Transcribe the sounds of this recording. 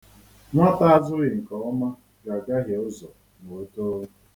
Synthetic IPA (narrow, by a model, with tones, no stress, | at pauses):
ŋʷɔ˦ta˦a˦zʊ˦ɣɪ˨ŋ̩˨kɔ˨ɔ˦ma˦ | ɡa˨ɡa˦ɦje˨ʊ˦zɔ˨ | mo˨o˦to˦